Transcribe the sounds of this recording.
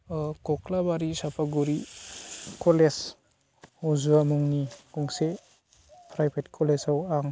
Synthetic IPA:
kɔklabaɾisapʰaɡuɾi | kɔles | ɔzuamuŋnikɔŋse | pʰɾajpʰetkʰɔlesawaŋ

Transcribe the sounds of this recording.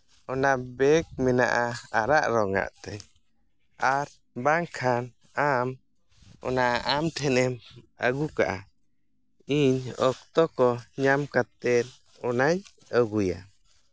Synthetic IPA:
ɔnabɛk̚mɛna̰ʔaaɾaʔɾɔŋa̰ʔt̪ɛ | aɾ | baŋkʰan | am | ɔ̰naʔaʔamt̪ʰɛnɛməɡuka̰ʔa | iɲɔkt̪ɔkɔɲamkat̪ɛn | ɔnaj | əɡuja̰

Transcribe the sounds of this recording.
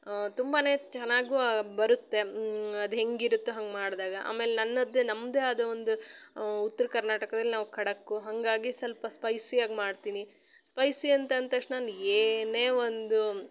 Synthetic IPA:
t̪umbaːne̞ːt͡ʃɛnaːɡuːbɐɾut̪ːe̞ɐd̪uɦe̞ŋɡiɾut̪ːuɦɐŋɡmaːɽd̪aːɡɐʔa̰ːme̞ːlenɐnːɐd̪ːenɐmːd̪eɐd̪ɐʋond̪uut̪ːɐɾɐkɐɾnaːʈɐkɐd̪ɐlːinaːʋukʰɐɽɐkːuɦɐŋɡaːɡisɐlpɐspɐjsiaːɡmaːɽt̪iːni | spɐjsiɐnt̪ɐnt̪ɐkʂʈnaːneːne̞ːo̞nd̪u

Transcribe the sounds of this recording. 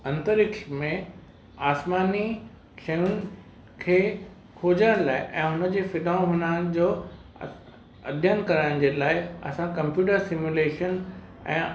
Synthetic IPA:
ɐ̃nt̪əɾɪkʃmẽ | aːsmaːni | ʃɐjʊnɪ̆ | kʰeː | kʰoːd͡ʑəɽ̃laːɪʔɛ̃ːɦʊnə̆d͡ʑeːfɪɗaːõɦʊnañd͡ʑoː | ɐd̪ʱjənkɐɾaːɪɽ̃d͡ʑeːlaːɪɐ̰sãkɐ̃mpjuːʈəɾsɪmjuleːʃənɛ̰̃ː

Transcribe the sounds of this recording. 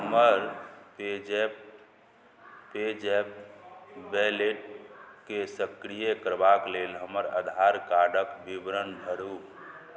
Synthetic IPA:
ɦɦəməɾped͡ʒe | ped͡ʒep̚ | bɛleʈkesəkɾijekəɾbaklelɦəməɾə̰d̪ʱaɾkaɖəkbibɾənbʱəɽu

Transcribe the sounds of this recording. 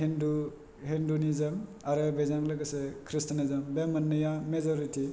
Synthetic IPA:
hindu | hindunizɐm | aɾɯbejzaŋlɐɡɐsekʰɾistɐnizɐmbemɐnːɯjamezɔɾiti

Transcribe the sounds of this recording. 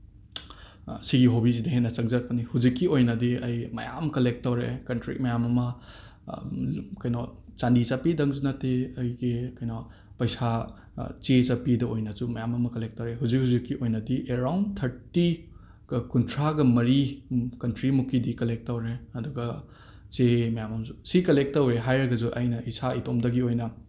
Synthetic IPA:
siɡiɦobiz̬idɐɦenːɐt͡ʃɐŋzaɾ̚pɐnihuzikːiojnɐdiɐjmɐ̰ja̰mkɐlek̚tːawɾekɐntɾḭk̚mɐjamɐmɐ | kɐjnɔt͡ʃandit͡ʃapidɐŋzunɐteɐjɡikɐjnɔ | pɐjsa | t͡ʃet͡ʃapidɐojnɐzumɐjamɐmɐkɐlek̚tɐwɾeɦuzik̚huzikːiʔojnɐdiʔeɾawntʰɐɾti | ɡ̥ɐkuntʰɾaɡɐmɐɾikɐntɾimukːidikɐlek̚tːɐwɾeɐduɡɐ | t͡ʃemɐjamɐmzusikɐlek̚tːɐwɾeɦajɾɐɡɐzuʔajnɐisaitomdɐɡiojnɐ

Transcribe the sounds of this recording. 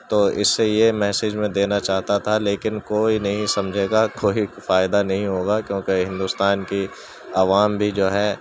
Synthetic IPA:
t̪oːɪ̰sːejemɛːsɪd͡ʒmẽd̪eːnat͡ʃaːɦt̪at̪ʰaleːkɪnkoːinɐɦĩsɐmd͡ʒʱeːɡakoːifaːɪd̪anɐɦĩɦoːɡakjõːkeɦɪ̃nd̪uːst̪aːnki | ɐʋaːmbʱid͡ʒoːɦɛː

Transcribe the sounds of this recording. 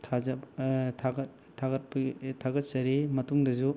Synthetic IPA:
tʰazɐtʰaɡɐ | tʰːaɡɐt̚pɐtʰaɡɐt̚sɐɾimɐtuŋdɐzu

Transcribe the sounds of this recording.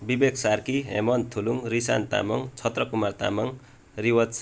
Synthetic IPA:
bibekʰsarkiɦḛmʌnt̪ʰuluŋrisa̰nt̪a̰mʌŋt͡sʰʌt̪rʌkumart̪a̰mʌŋ | riwʌt͡s

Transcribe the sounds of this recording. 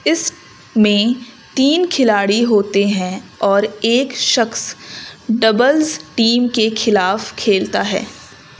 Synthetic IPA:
ɪs | mẽ | t̪iːnkʰɪlaːɽiɦoːt̪eɦɛ̃ɔːɾeːkʃɐxs | ɖɐbəlzʈiːmkexʰɪlaːfkʰeːlt̪aɦɛ̰ː

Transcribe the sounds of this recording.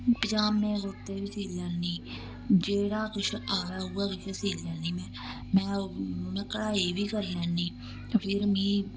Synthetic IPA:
pəd͡ʒaːmːẽːzot̪eːʋiːsiːlːɛːnːiː | d͡ʒeːɽaːkɪʃʔaːɾaːɦuːaːkɪʃesiːlːɛːnːiːmɛ̃ː | mɛ̃ːmɛ̃ːkəɽaːiːbiːkəɾlɛːnːiː | pʰɪɾmĩː

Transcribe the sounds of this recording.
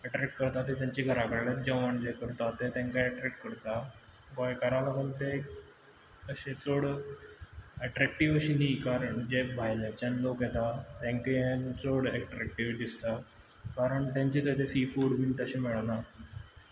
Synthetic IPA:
əʈɾek̚ʈkəɾt̪at̪et̪jãɲt͡ɕiɡʱəɾakəɾaɭet̪̚d͡ʑəʋaɳd͡ʑekəɾt̪at̪et̪ãŋkaɛʈɾɛk̚ʈkəɾt̪a | ɡɔjkəɾaləɡənt̪e | əɕet͡soɽ | əʈɾk̚ʈiʋəɕinikaɾəɳd͡ʑebʱajled͡ʑanlokjɛt̪at̪ãŋkeet͡soɽeʈɾɛk̚ʈiʋɖist̪a | kaɾəɳt̪ãɲt͡ɕit̪ət̪esifuːɽmint̪əɕimɛɭna

